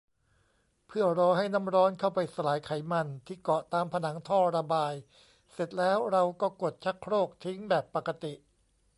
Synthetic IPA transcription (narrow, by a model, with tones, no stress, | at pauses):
pʰɯ˥˩ɐɾɔː˧ɦa˥˩jna˦˥˩mɾɔː˦˥nkʰa˥˩wpa˧jsa˧laː˩˦jkʰa˩˦jma˧nt̪ʰiː˥˩kɔ˨˩t̪aː˧mpʰa˧na˩˦ŋt̪ʰɔː˥˩ɾa˧baː˧j | se˨˩t̪̚lɛː˦˥wɾa˧wkɔː˥˩ko˨˩t̪̚t͡ɕʰa˦˥kʰːɾoː˥˩k̚t̪ʰi˦˥ŋbɛː˨˩pːa˨˩ka˧t̪i˨˩ʔ